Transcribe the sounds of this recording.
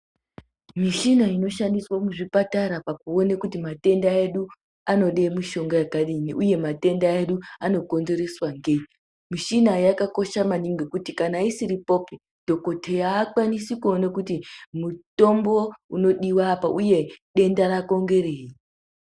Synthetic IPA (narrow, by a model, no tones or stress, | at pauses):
miʃinaino̞ʃandiswomuʐipataɾapakuo̞nekutimate̞ndae̞ɗu | ano̞ɗe̞muʃo̞ŋɡajakaɗiniʔuje̞mate̞ndae̞ɗuano̞ko̞nze̞ɾe̞swaŋɡei | miʃinajakako̞ʃamaniŋɡekutikanaisiɾipo̞pi | d̥ʱo̞ko̞tʰejaːkwanisikuo̞nakutimuto̞mbo̞uno̞ɗiwaːpaʔuje̞ɗe̞ndarako̞ŋɡe̞ɾe̞ːji